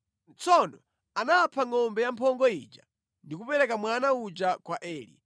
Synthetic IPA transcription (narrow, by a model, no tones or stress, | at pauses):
t͡sʰɔnɔ | anapʰaŋɔmbɛjampʰɔŋɡɔit͡ʃa̰ | ndik̬upɛɾɛkamwanaut͡ʃakwaʔɛːlḭ